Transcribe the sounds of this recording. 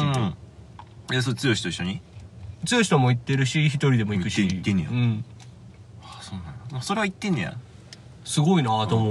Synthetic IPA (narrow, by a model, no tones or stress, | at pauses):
ɯ̃ | jas̬ot͡sɨjo̞ɕi̥t̪o̞iɕːo̞ɲ̟it͡sɨjo̞ɕi̥t̪omo̞it̪ːe̞ɾɯ̟ɕiçit̪o̞ɾʲid̪e̞mo̞ikɯ̟ɕit̪ːẽnḛ̃jo̰ɯ̟̃ɴ | asoːnãnad̪moso̞ɾe̞βait̪ːenːẽja̰ | sɨɡo̞inaat̪omo